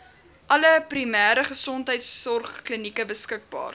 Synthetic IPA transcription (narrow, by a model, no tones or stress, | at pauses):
ʔɐləprimæːɾəχəsɔntɦəjtsːɔrχklənikəbəskək̚bɑ̰ːr